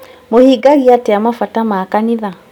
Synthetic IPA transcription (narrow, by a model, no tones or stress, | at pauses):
mohiɡaɣiateamafatamaːkaniða